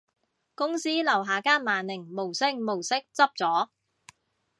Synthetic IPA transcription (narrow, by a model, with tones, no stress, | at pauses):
kʊ˥ŋsiː˥lɐ˨˩wɦaː˨˩kaː˥nmaː˨nlɪ˨˩ŋmo˨˩wsɪ˥ŋmo˨˩wsɪ˥k̚t͡sɐ˥p̚t͡sɔː˨˥